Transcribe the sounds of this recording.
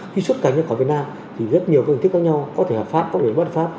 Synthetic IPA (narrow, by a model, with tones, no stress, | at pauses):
xi˧swu˦˥t̚kaː˧˩ŋɲa˧wkɔ˨˦vət̚naː˧m | t̪ʰi˨˩zə˦˥t̚ɲi˨˩əwkjŋt̪ɨ˦˥k̚zɔ˧ɲa˧wkɔ˨˦t̪ʰe˧˩hɔː˨˩p̚faː˦˥p̚kɔ˧˦ɗe˧˩ɓə˦˥t̚faː˦˥p̚